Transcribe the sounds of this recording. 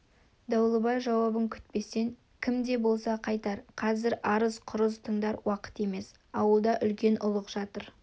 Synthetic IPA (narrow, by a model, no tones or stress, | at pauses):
d̪ɑwlˠəbɑjʒɑwɑbəŋkʲʰʏ̥t̪̚pe̞sːe̞ŋ | kʲʰɪmd̪e̞bo̞lˠsɑqʰɑjt̪ɑɾqʰɑzɪɾɑɾəzqʰʊɾəzt̪ʰəɴd̪ɑɾwɑqə̥t̪e̞me̞s | ɑwəlˠd̪ɑʔʏlkʲe̞nʊlˠəqʒ̥ɑt̪əɾ